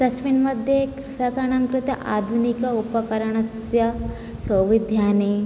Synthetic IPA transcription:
t̪ɐsʋinmɐd̪ʱjekɾusakɐɳɐŋkɾut̪ɐ̰ʔa̰ːd̪ʱunikɐupɐkɐɾɐɳɐs | jɐ | sɐwʋid̪ʱjaːneː

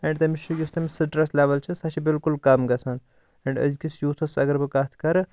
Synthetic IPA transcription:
ɛ̃ɳɖt̪ɐmit͡ʃʰujust̪ɐmisɨʈɾɐslʲeʋɐlt͡ʃʰisɐt͡ʃʰibɪlkulkɐmɡɐsan | ɛɳɖɐ̰zkʲisjuːt̪ʰɐsɐɡɐɾbɨkat̪ʰkɐɾ

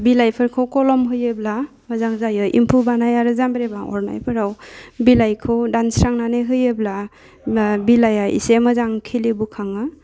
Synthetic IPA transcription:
bilajpʰɯɾkʰɔwkɔlɔmɦɯjɯbla | məzaŋzajɯʔḭmpʰubanajaɾɯzambɾebaŋɔ̰ɾna̰jpʰɯɾawbilajkʰɯwdansɾaŋnaneɦɯjɯbla | bilajaʔḭsemazaŋkʰilibukʰaŋɯ

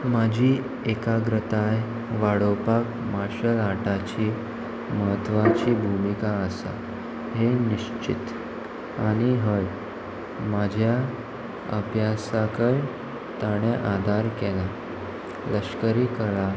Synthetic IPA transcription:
mad͡ʑʱiː | ekaɡɾət̪aj | ʋaɽəpak | maɕəlaʈat͡ɕiː | məɦət̪ʋat͡ɕiːbʱumikaəsa̰ | ɦeniɕt͡ɕḭt̪ | aɽ̃iɦəj | mad͡ʑʱja | ə̰bʱjasakəɭ | t̪aɽ̃eʔad̪ʱaɾkɛla | ləɕkəɾiːkəɭa

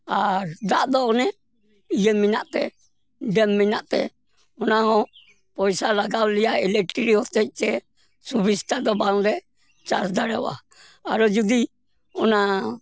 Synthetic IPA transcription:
aɾd̪aʔd̪ɔːnɛ | ijɛmːinaʔt̪ɛ̰ | ɖɛmːinaʔt̪ɛ̰ | ɔnaɦɔ̃ | pɔjsalaɡawlijaɛlɛʈɾiɔt̪ɛc̚ˀt̪ɛ | subist̪ad̪ɔbaŋɾɛ | t͡ʃasd̪aɾɛwa̰ː | ɾɔd͡ʒud̪i | ɔna

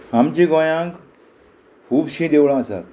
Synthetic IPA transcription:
amt͡ɕĩɡɔjãŋk | kʰuːbɕĩd̪ewɭãəsa̰

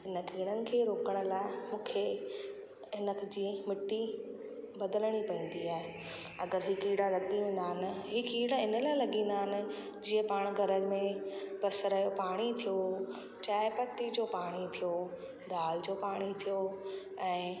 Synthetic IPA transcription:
ɦɪnəkiːɽ̃ənɪ̆kʰeːɾoːkəɽ̃ʊ̆laːɪmũːkʰe | ɦɪnəkʰd͡ʑiːmɪʈːi | bɐd̪ələɽ̃ipɐĩːn̆d̪iaːɦe | ɐɡəɾɦɪkiːɽalɐɠiʋẽːn̆d̪aːɦɪnɪ̆ɦɪkiːɽaɦɪnə̆laːɪlɐɠĩn̆d̪aːɦɪnɪ̆ | d͡ʑiːə̃paːɽ̃ɡʱɐɾəmẽpɐsɾɐjopaːɽ̃it̪ʰijo | t͡ɕaːɪpɐt̪ːid͡ʑoːpaːɽ̃it̪ʰijo | d̪ʱaːld͡ʑoːpaːɽ̃it̪ʰijo | ɛ̃ː

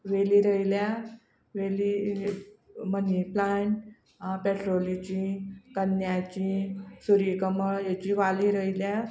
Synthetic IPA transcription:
ʋeliːɾəilja | ʋeli | məniplaɳʈ | peʈɾolit͡ɕĩkənjat͡ɕĩsuɾikəməɭjet͡ɕiʋaliɾəilja

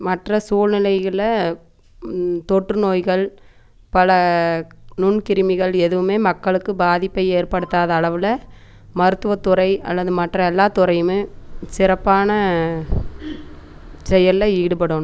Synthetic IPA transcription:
mɐʈrɐsuːɻnɪlɐɪɣɐɭɐ | t̪ɔʈrɯnoːjɣɐɭ | pɐlɐ | nʊɳkɪɾɯmɪɣɐɭɛðɯʋɯmeːmɐkːɐɭɯkːɯbaːðɪpːɐɪeːrpɐɽɯt̪ːaːðɐːɭɐʋɯlɐ | mɐɾɯt̪ːɯʋɐt̪ːʊɾɐɪɐ̰lːɐðɯmɐʈrɐɛlːaːt̪ʊɾɐɪjɯmɯsɪɾɐpːaːnɐ | sɛjɐlːɐiːɽɯpɐɽoːn

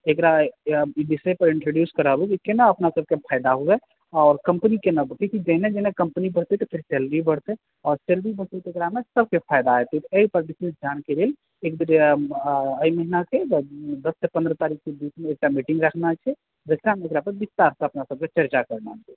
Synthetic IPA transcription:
ekɾaibisepəɾɪɳʈɾoɖjuskəɾəbd͡ʒikenəəpnasəb̚kepʰajd̪aɦoɡɛ | ɔːɾkəmpnikenəbəɽt̪ikid͡ʒəɦned͡ʒɛɦnekəmpənibəɽ̤t̪ɛt̪ɔpʰiɾselɾibəɽt̪ɛ | ɔːɾselɾibəɽt̪ɛt̪ekɾamesəbkepʰajd̪aɛt̪it̪ɔeipəɾbisisd͡ʒankelel | ekd̪əɾ | əiməɦinaked̪əsːepə̃nd̪ɾət̪aɾik̚ʰked̪iːt͡ʃʰmeːk̚ʈamiʈiŋɡɾəkʰnat͡ʃʰɛ | d͡ʒəsɾameekɾapəɾbist̪aɾsẽəpnasəb̚ket͡ʃəɾt͡ʃakəɾnat͡ʃʰɛ

